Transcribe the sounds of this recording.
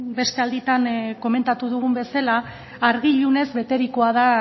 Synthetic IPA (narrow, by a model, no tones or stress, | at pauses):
be̞st̪e̞ald̪it̪anko̞me̞nt̪at̪uðuɣ̞umbe̞salaː | ɾɣiʎune̞zβe̞t̪e̞ɾikoaða